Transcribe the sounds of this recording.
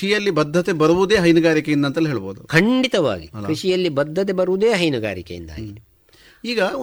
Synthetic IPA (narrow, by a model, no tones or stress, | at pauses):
ijɐlːibɐd̪ʱːɐt̪ebɐɾuʋud̪eːɦɐjnuɡaːɾikejind̪ɐnt̪ɐlːɦeːɭɐboːd̪ukʰɐɳɖit̪ɐʋa̰ːɡikɾiʂijɐlːibɐd̪ʱːɐt̪̬ebɐɾuʋud̪eːɦɐjnuɡaːɾikejḭnd̪a̰ːɡi | iːɡɐ